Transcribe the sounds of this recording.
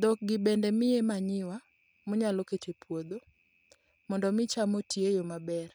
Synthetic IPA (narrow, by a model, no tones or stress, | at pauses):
d̪ɔk̚ɡɪbɛndɛmɪemaɲɪwa | mɔɲaloketepwod̪o | mɔndɔmɪt͡ʃamotjejomabɛr